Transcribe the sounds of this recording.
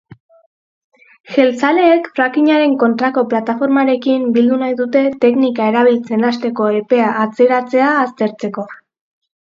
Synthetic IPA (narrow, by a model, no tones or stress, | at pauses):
ʝe̞lt͡sale̞ːkfɾakiɲaɾe̞ŋko̞nt̪ɾako̞plat̪afo̞ɾmaɾe̞kimbild̪unajðut̪e̞t̪e̞knikae̞ɾaβ̞ilt͡se̞nast̪e̞ko̞e̞pe̞aʔːt͡se̞ɾat͡se̞aːst̪e̞ɾt͡se̞ko̞